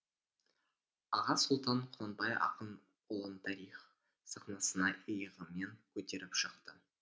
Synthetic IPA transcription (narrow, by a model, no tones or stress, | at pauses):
ɑʁɑsʊlˠt̪ɑɴqʰʊlɑnbɑjɑ̰qən | ʊlˠənt̪ʰɑɾiχ | sɑqnɑsənɑəjəʁəmeŋkʲʰɵt̪e̞ɾɪpʃəq̚t̪ə